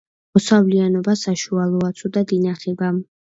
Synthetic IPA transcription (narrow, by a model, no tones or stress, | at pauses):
mɔsavlianɔbasaʃualˠɔat̪sʰud̪ad̪inaχɛba